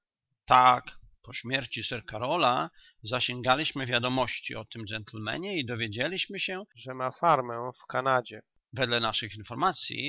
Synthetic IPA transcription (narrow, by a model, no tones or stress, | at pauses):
t̪akpɔɕmʲjɛɾt͡ɕisɛɾkaɾɔla | zaɕɛŋɡalʲiɕmɘvʲjad̪ɔmɔɕt͡ɕḭɔt̪ɘmd͡ʐɛnt̪lmɛ̰ɲɛid̪ɔvʲjed͡ʑalʲiɕmɘɕɛʐɛmafaɾmɛfkanad͡ʑɛ | vɛd̪lɛnaʂɘxinfɔɾmat̪sʲjḭ